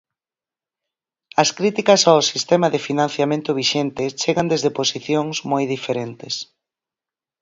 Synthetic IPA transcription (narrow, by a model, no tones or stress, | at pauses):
ɐskɾit̪ikɐsawsist̪ɛmɐðɪfinãn̟θjamẽnt̪ʊβ̞iʃɛnt̪ɪt͡ʃeɣɐnd̪ezðeposiθjoŋsmojðifeɾent̪ɪs